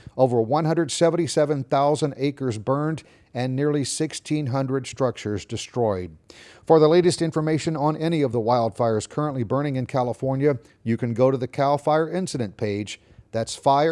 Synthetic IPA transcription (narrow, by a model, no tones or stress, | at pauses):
oʊvə˞wʌ̃nɦʌ̃ndɹɨdsɛvə̃n̩tisɛvɨ̃nθaʊzə̃ndeɪkə˞zbɜ̃˞nd | ɨ̃nːɪɹlˠisɪkstʰĩnɦʌ̃ndɹɨdstɹ̥ʌk̚t͡ʃə˞zdɨstɹ̥ɔɪd̚fə˞ðəleɪɾɨstɪ̃ɱfə˞meɪʃɨ̃nə̃nɛñiʌvðəwaɪlˠd̥faɪə˞z̥kʰɜ˞ə̃nʔlibɜ̃˞ɾ̃ɪ̃ŋɨ̃nkʰælˠəfɔɹnjɨ | jɨkɨ̃nɡoʊɾɨðɨkʰalˠfaɪə˞ɪ̃nsɨɾɨ̃npʰeɪ̥d͡ʒ | ðætsfaɪə